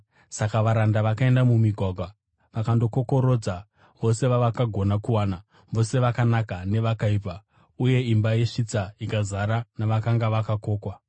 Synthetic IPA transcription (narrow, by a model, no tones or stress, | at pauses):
sakaʋaɾandaʋakae̞ndamumiɡʱwaɡʱwa | ʋakando̞ko̞ko̞ɾo̞d͡za | ʋo̞se̞ʋaʋakaɡʱo̞nakuwaːna | ʋo̞se̞ʋakanakane̞ʋakaiːpa | uje̞imbaje̞ʂit͡saikazaɾanaʋakaŋɡaʋakako̞ːkwa